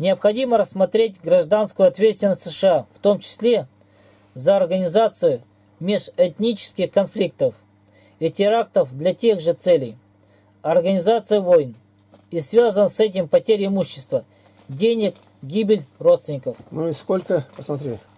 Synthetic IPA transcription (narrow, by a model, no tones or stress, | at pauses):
nʲɪəpxɐdʲiməɾəsːmɐt̪ɾʲetʲɡɾɐʐd̪anskʊjʊɐt̪vʲet̪st̪ʲɪnəsʲt̪ʲsɨʂɨaft̪o̞mt͡ɕɪ̥sʲlʲe̞ | zəɐrɡənʲɪzat̪sɨjʊ | mʲeʂɛt̪nʲit͡ɕɪ̥skʲɪxkɐnflʲik̚t̪əf | itʲɪɾakt̪əfd̪lʲɐtʲe̞ɣʐɨt̪sɛlʲɪj | ɐrɡənʲɪzat̪sɨjɪvo̞jn | isvʲazənsɛt̬ʲɪmpɐtʲeɾʲɪɪmuɕːɪ̥st̪və | dʲenʲɪk | ɡʲibʲɪlʲro̞t̪st̪vʲɪnʲɪkəfmuskolʲkəpəsmɐt̪ɾʲe